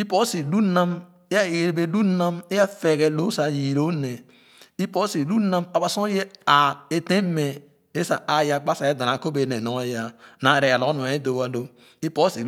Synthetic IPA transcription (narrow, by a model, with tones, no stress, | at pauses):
i˦po˦si˨lu˦na˦m | e˦ja˦˨e˨ɾe˨be˦lu˦na˦me˦ja˦fe˨ɡe˨lo˦sa˨ji˨ɾo˦ne˨ | i˦po˦si˨lu˦na˦ma˨ba˨so˦je˦a˨e˨te˦me˨ | e˦sa˨a˨ja˨k͡pa˦sa˨je˦da˨na˨ko˦be˨ne˨no˨˦a˦ja˨na˨ɾe˨a˨lo˨˦nu˨e˦do˨wa˨lo˦ | i˦po˦si˨